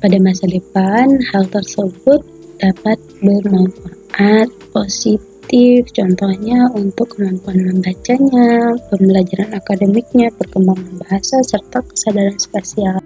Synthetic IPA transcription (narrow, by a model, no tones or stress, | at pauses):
padamasadəpanhalt̪ərsəbʊt̪̚ | d̥apat̪̚bərmampur | at̪̚posit̪ɪft͡ʃɔnt̪ɔhɲaunt̪ʊkːəmampuanməmbat͡ʃaɲabərməlad͡ʒaɾanakadəmik̚ɲapərkəmbaŋanbaɦasasərt̪akə̥sadaɾanspasial